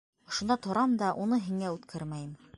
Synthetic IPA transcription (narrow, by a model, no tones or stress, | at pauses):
ŏʃŏnd̪ɑt̪ʰŏɾɑmd̪ɑʔunɤɦiŋæʉt̪kʰæɾmæjɘm